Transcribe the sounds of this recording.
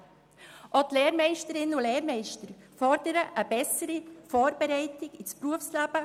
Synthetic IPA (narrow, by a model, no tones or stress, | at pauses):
ʔɔt̪lɛːɾmɛɪʃtəɾɪnəʊleːɾmɛɪʃtəɾ | fɔɾdəɾəʔəbɛsəɾifɔːɾbɛɾɛɪtɪɡɪspɾuəfslab̥ə